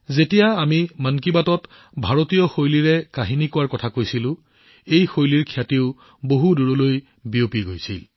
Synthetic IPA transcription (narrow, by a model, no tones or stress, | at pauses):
zetijaːmimankibatɔt | bʱaɹotijɔxojliɹɛkaɦinikʊwaɹkɔtʰakojsilʊ̃ | ejxojliɹkʰijatiʊ | boɦuduɹoloj | biopiɡojsḭl